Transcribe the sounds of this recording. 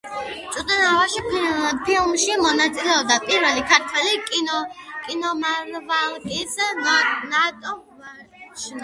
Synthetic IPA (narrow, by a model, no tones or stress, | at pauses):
t͡ʃʼut̪ʼɛnavaʃipʰilmʃimɔnat̪sʼilɛɔb̚d̪apʼiɾvɛlikʰaɾt̪ʰwɛlikʼinɔkʼinɔmaɾvalˠkʼis | nat̪ʼɔ | ʃ